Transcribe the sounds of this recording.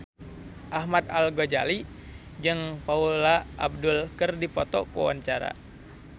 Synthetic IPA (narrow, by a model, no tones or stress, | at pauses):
ʔahmat̪̚alɡod͡ʒa̰li | d͡ʒɨŋpaulaʔːb̚dulkɨrdipɔt̪ɔkṵwa̰nt͡ʃaɾa̰